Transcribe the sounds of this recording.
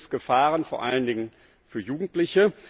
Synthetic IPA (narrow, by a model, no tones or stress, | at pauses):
sɡ̥əfaːʁənfoːɐʔaləndɪŋən | fyːɐjuːɡŋ̩tlɪçə